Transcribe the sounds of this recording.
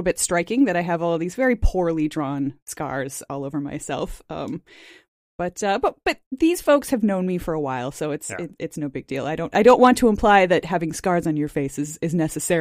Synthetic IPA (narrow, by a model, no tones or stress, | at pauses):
ɾl̩ˠbɪtstɹ̥aɪkɪ̃ŋðɨɾaɪɨvɔlˠðizvɛɹipʰʊɹlˠidɹɔ̃nskɑ̰ɹz̥ɔ̰lˠoʊvə˞ma̰ɪsɛ̰lˠfʌ̰̃m | b̥ʌtʌbʌb̥ʌt̪̚ðiz̥foʊkshɨvnõʊ̃nmifə˞əwaɪlˠsoʊɨtsɪɨtsnoʊbɪɡ̚dḭlˠa̰ɪɾõʊ̃ntaɪɾõʊ̃nʔwɑ̃ntʰɨə̃mpʰl̥aɪðɨt̚hævɪ̃ŋskɑɹzn̩jə˞feɪsɨzɨznɛsɨsɛ